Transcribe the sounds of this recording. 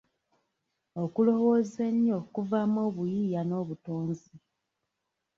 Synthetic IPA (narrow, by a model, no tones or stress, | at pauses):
okulo̞wo̞ːzeɲio̞ːkuvamoːβujijano̞ːβutoːnzi